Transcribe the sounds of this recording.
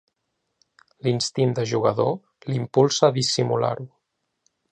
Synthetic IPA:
linst̪int̪d̪əʒuɣ̞əðo | limpulˠsəːðisimula̰ɾu

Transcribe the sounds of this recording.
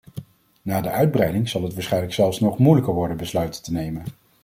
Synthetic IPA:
naːdəʔœɥd̚brɛjdɪŋz̥ɑlˠɦətʋaːsχɛjnləksɛlˠfsnɔχmujləkəɹʋɔɹdənbəslœɥtətənejmən

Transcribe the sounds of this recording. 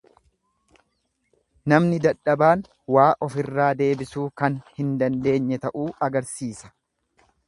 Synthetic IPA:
nɐmnɪd̪ɐᶑːɐbaːn | waːʔɔfɪrːaːd̪e̞ːbɪsuːkɐnhɪnd̪ɐnd̪e̞ːɲːɛt̪ɐʔuːɐɡɐɾsiːsɐ̥

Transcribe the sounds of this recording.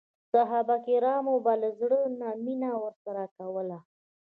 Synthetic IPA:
saɦabakɪɾɑmobaləzɽənaminawəɾsaɾakawəla

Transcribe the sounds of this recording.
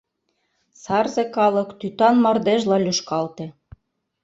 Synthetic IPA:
sɑrzekɑlɤ̆kt̪yt̪ɑnmɑrd̪eʒlɑlyʃkɑlt̪ĕ

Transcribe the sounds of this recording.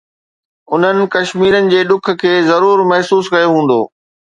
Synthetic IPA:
ʊn̤ənɪ̆kɐʃmiːɾənɪ̆d͡ʑeːɗʊk̆ʰkʰeːzɐɾuːɾmɛɦsuːskɐjoɦũːn̆d̪o̰ː

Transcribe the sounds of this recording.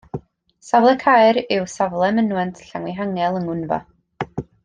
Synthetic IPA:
savlˠɛkʰajɾɪwsavlˠɛmənwɛntʰɬaŋwɪɦaŋɛlˠəŋʊnvɔ̰

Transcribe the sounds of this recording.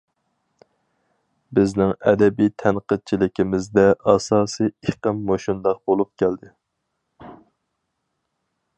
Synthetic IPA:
bɪznɪŋɛ̰d̪ɛbijt̪ʰɛnqəd̪̚t͡ʃʰilɪkʲʰimɪzd̪ɛʔɑsɑːsɨeqəmːoʃund̪ɑq̚bolˠup̚kʲʰæld̪ɪ

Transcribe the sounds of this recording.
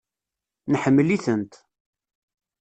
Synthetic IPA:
nəħəmːəliθənt̪

